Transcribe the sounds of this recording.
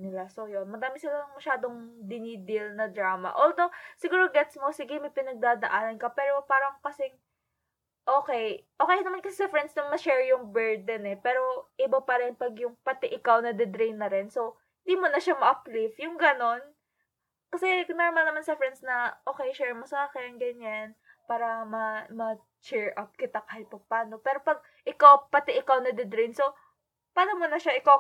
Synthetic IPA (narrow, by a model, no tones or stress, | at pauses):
nɪlasojonmɐdaːmɪsɪlaɐŋmɐʃaːd̪oŋd̪ɪnid̪ɪlnɐd̪ɾaːmɐ̰ʔoːld̪osɪɡuːɾoɡɛt̪smosɪɡɪmɐpɪnɐɡ̚d̪aːd̪ɐʔaːnɐnkɐpɛːɾo̞paːɾɐŋkɐsɪŋ | ʔo̞ːkɛjʔoːkɛjɐnɐmankɐsɛsɛfɾɛnsnɐŋmɐʃɛɹjʊŋbɛɹd̪ɛnɛpɛːɾo̞ʔɪbɐpɐɾɛnpɐɡjʊŋpɐt̪ɪʔɪkawnɐd̪ɛd̪ɾejnːɐɾɛnso̞whɪnd̪iːmonɐʃamɐʔɐplifjʊŋɡɐno̞n | kɐsɛnoɾmɐlnɐmansɛfɛɾɛnsnɐʔo̞ːkɛjʃɛɹmosɐaːkɛnɡɐɲan | paːɾɐmɐmɐ | t͡ʃɛɹʔɐp̚kɪt̪akahɪt̪̚pɐɡ̚paːno̞pɛːɾo̞pɐɡ̚ | ʔɪkawpɐt̪ɪʔɪkawnɐd̪ɛd̪ɾijnso̞ | paːlɐmonɐʃaʔɪkaw